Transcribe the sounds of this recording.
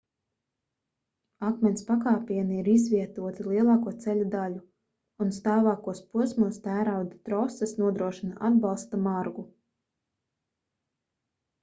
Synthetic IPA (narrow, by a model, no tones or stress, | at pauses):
akmʲɛnspakaːpiɛniiɾizviɛt̪uɔt̪ilˠiɛlˠɑːkuɔt̪sɛlʲud̪alu | unst̪aːvaːkuɔspuɔsmuɔst̪æːɾawd̪at̪ɾɔsasnuɔd̪ɾuɔʃinaʔad̪bɑlˠst̪amaɾɡu